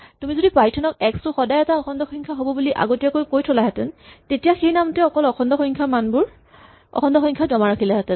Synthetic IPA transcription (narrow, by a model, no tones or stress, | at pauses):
tumizodipɹajtʰɔnɔk̚ɛkstʊxɔdajɛtaɔxʰɔndɔxɔŋkʰaɦobɔbuliʔa̰ɡotijakojkojtʰɔlaɦɛtɛntetijaxejnamtɛɔkɔlɔxʰɔndɔxɔŋkʰamanbʊɹ | ɔ̰xʰɔndɔxɔjŋkʰazɔmaɹakʰilaɦɛtɛn